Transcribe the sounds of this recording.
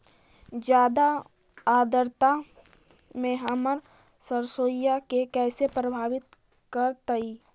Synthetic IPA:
d͡ʒjaːd̪a | aːd̪əɾt̪a | mẽɦəməɾ | səɾsoːjakekɛːsepɾəbʱaːʋɪt̪ | kəɾt̪əiː

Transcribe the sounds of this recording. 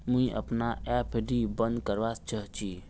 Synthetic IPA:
mũiʔə̰pnaɛpʰɖibə̃nd̪kəɾʋast͡ʃəɦt͡ʃʰi

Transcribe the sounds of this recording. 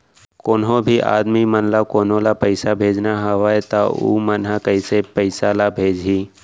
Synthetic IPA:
koːnɦõbʱiʔa̰ːd̪mimənlakoːnõlapəɪsabʱeːd͡ʒnaɦɐʋaːet̪aṵmənɦakəisepəɪsalabʱeːd͡ʒɦiː

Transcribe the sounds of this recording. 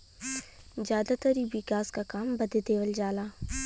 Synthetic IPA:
d͡ʒjaːd̪at̪aɾibɪkaːskakaːmbɐd̪et̪eːʋəld͡ʒaːlaː

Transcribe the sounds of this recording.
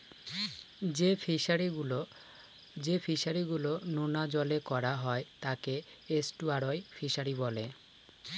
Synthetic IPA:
efiaɾilo | d͡ʑefʰiʃaɾiɡulononad͡ʑɔlekɔɾaɦɔet̪ake | esʈuaɾojfʰiʃaɾibɔle

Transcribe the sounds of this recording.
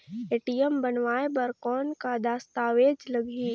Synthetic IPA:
eːʈijəmbənʋaːebəɾkɔːnkad̪aːst̪aːʋeːd͡ʒləɡʱi

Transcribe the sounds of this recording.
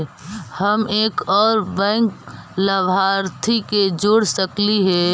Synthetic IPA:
həmeːkɔːɾbɛ̃ːŋkləbaːɾt̪ʰiked͡ʒoːɽsəkliɦɛː

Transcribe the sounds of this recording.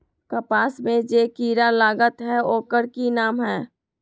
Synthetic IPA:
kəpaːsmẽd͡ʒekiːɾalaːɡət̪ɦɛoːkəɾkinaːmɦɛː

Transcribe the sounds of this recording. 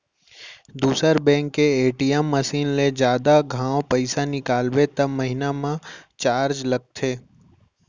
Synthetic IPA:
d̪uːsəɾbɛ̃ːŋkːeeːʈijɛmːɐsiːnled͡ʒjaːd̪aɡʱãːwpɛɪsanɪkaːlwet̪ɐbmɐɦɪnamãt͡ʃaːɾd͡ʒlɐɡ̚t̪ʰeː

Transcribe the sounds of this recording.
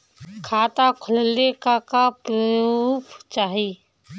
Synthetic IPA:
kʰaːt̪akʰʊllekakapɾəuːpʰt͡ʃaːɦi

